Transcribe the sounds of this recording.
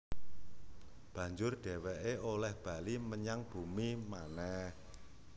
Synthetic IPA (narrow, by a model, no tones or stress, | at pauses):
b̥ä̤ɲd͡ʒʊrɖ̥ɛ̤wɛʔeolɛhb̥a̤liməɲaŋb̥ṳmimanɛh